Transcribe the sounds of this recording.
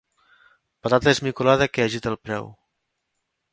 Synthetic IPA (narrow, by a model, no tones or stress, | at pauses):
pat̪at̪əezmikulaðəkeəʒit̪əlˠpɾɛ̰w